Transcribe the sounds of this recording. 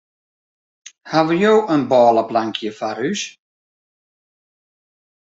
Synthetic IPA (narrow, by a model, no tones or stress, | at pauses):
havəjowʔənbɑːləblaŋkʰjəfaɾʉs